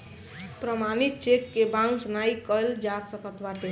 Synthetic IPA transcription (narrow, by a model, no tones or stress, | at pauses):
pɾəmanit̪̚t͡ʃekːebãŋɡsənajkəjld͡ʒasəkət̪baʈe